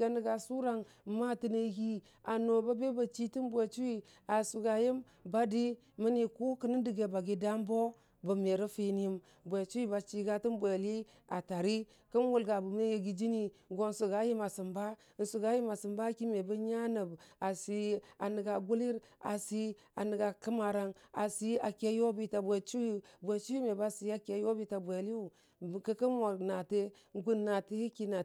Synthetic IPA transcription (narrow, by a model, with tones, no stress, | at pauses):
ɡa˨nə˨ɡa˨su˦ɾa˨ŋ˨ | ma˦ti˦nə˦ɡi˦ | a˨no˨ba˦be˦ba˨t͡ʃi˦ti˦nbʷe˨t͡ʃu˦wi˦ | a˨su˨ɡa˨ji˦m | ba˦di˦ | mə˦ni˨ku˦kə˦nə˦di˨ɡe˨ba˨ɡe˨da˦mbo˦ | bə˨me˨ɾə˦fe˦n˦ji˦m | bʷe˨t͡ʃu˦i˦ba˨t͡ʃi˦ɡa˦ti˦nbʷe˨li˦ | a˨ta˨ɾi˦ | kə˦nwu˦lɡa˨bu˨me˦je˨ɡi˦d͡ʒi˦ni˨ɡo˦n̩˦su˨ɡa˦ji˦ma˨si˨mba˦ | n̩˦su˨ɡa˦ji˦ma˨sɨ˨mba˦ki˦me˨bə˦ɲa˦nə˨ba˨si˦a˨ni˨ɡa˨ɡu˦li˦ɾa̰˨si˦ | a̰˨nə˨ɡa˨kə˦ma˨ɾa˦na˨si˦a˨ke˦jo˦bi˦ta˨bʷe˨t͡ʃu˦wi˦bʷe˨t͡ʃu˦wi˦me˨ba˦si˦a˦ke˨˦jo˦bi˦ta˨bʷe˨li˦u˨ | kə˦kə˦nwo˨na˨te˦ | ŋ˦ɡu˦nːa˨ti˦i˦ki˦na˨